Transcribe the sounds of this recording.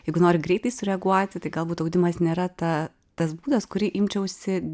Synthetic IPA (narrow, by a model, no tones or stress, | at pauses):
jɛɪɡʊnoːɾʲɪɡɾʲɛɪt̪ɐɪsʊɾʲɛɡuɔt̪ʲɪt̪ɐɪɡɐlˠbuːt̪ɐʊd̪ʲɪmɐsnʲeːɾɐt̪ɐ | t̪ɐsbuːd̪ɐskʊɾʲiʔɪmʲt͡ʃʲɛʊsʲɪ